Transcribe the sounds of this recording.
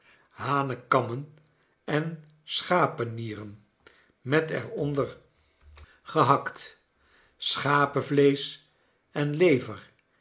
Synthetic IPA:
ɦaːnəkɑmən | ɛn | sχaːpəniːrən | mɛtɛ̰ɹɔndəɹ | χəɦɑkt | sχaːpəvlejs | ɛnlejvəɹ

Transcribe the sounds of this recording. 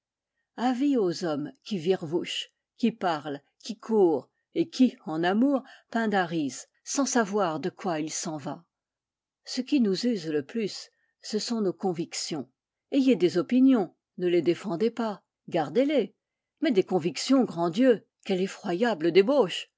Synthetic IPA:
aviozɔmkʲiviʁvuʃ | kʲipaʁl | kʲikʰuːʁ | ekʲʰiɑ̃namuːʁpɛ̃d̪aʁiz | sɑ̃savwaʁd̪əkwailsɑ̃va | səkʲinuzyzləplysː | əsɔ̃nokɔ̃viksjɔ̃ | ejed̪ezɔpinjɔ̃ | nəled̪efɑ̃d̪ɛpa | ɡaʁd̪ele | mɛd̪ekɔ̃viksjɔ̃ɡʁɑ̃d̪jø | kʲɛlefχwajabləd̪eboʃ

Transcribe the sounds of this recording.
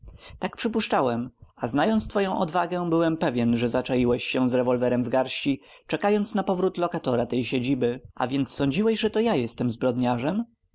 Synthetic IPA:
t̪ak̚pʂɘpuʂt͡ʂawɛmaznajɔnt̪st̪fɔjɔ̃w̃ʔɔ̰d̪vaɡɛbɘwɛmpɛvʲjɛnʐɛzat͡ʂajiwɛɕːɛ̃zɾɛvɔlvɛɾɛmvɡaɾɕt͡ɕi | t͡ʂɛkajɔnt̪snapɔvɾut̪lɔkat̪ɔɾat̪ɛjɕed͡ʑibɘʔa̰vʲjɛnt̪sːɔɲd͡ʑiwɛɕʐɛt̪ɔjajɛst̪ɛmzbɾɔd̪ɲaʐɛm

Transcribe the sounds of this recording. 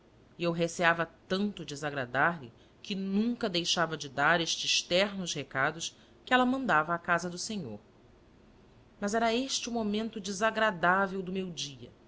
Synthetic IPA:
iewɦeseavɐt̪ɐ̃nt̪ʊd͡ʒɪzaɡɾad̪aɾlɪ̰ | kɪnũŋkɐd̪ejʃavɐd͡ʒɪd̪aɾeʃt͡ʃɪzʃt̪ɛɾnʊʃhekad̪ʊʃ | kɪɛlɐmɐ̃nd̪avɐːkazɐd̪ʊseɲo̰ɾ | mɐzɛɾɐeʃt͡ʃɪumomẽnt̪ʊd͡ʒizaɡɾad̪avewd̪ʊmewd͡ʒiɐ̰

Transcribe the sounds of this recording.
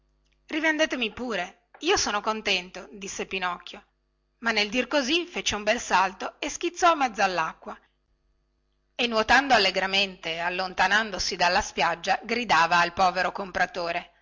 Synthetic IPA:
rivend̪eːt̪emipuːɾe | iːosoːnokont̪ɛnt̪od̪isːepinɔkːjo | manːeld̪irkozifet͡ʃeumbɛlsalt̪oesk̟it̪sːɔimːɛd̪zːoalːakːwa | enːwot̪and̪oalːeɡɾament̪ealːont̪anand̪osid̪alːaspjad͡ʒːaɡɾid̪aːvaːlpɔːveɾokompɾat̪oːɾe

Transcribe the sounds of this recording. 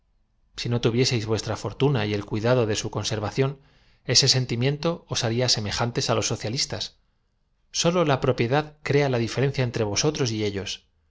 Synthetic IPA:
sino̞t̪uβje̞se̞jzβwe̞st̪ɾafo̞ɾt̪unaie̞lkwuiðaðo̞ðe̞suko̞nse̞ɾβaθjo̞n | e̞se̞se̞nt̪imjẽ̞nt̪o̞ːsaɾiase̞me̞xant̪e̞salo̞sːo̞θjalist̪asː | o̞lo̞lapɾo̞pje̞ðaðkɾe̞alaðife̞ɾe̞n̟θjae̞nt̪ɾe̞β̞o̞so̞t̪ɾo̞s̬ie̞ʎo̞s

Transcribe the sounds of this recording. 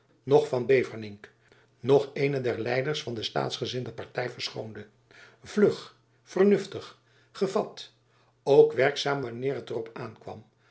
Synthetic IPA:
nɔχfɑnbejvəɹnɪŋk | nɔχejnədɛɹlɛjdəɹsfɑndəsta̰ːtsχəzɪndəpɑɹtɛjvəɹsχowndə | vlɵχ | fəɹnɵftəχ | χəvɑt | owkʋɛɹksaːmʋanɪːɾɦətərɔpaːnkʋɑ̰m

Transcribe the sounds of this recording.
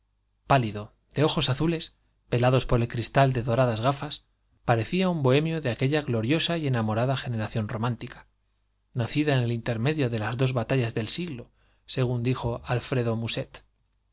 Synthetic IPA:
paliðo̞ | d̪̥e̞o̞xo̞saθule̞s | b̥e̞laðo̞spo̞ɾe̞lkɾist̪ald̪e̞ðo̞ɾaðazɣafas | paɾe̞θiaumbo̞e̞mjo̞ðeake̞ʎaɣlo̞ɾjo̞saje̞namo̞ɾaðaxe̞ne̞ɾaθjo̞nro̞mãnt̪ikḁ | naθiðaene̞lint̪e̞ɾme̞ðjo̞ðe̞lazðo̞zβat̪aʎazðe̞lsiɣlo̞ | se̞ɣ̞und̪ixo̞alfɾe̞ðo̞muse̞t̪

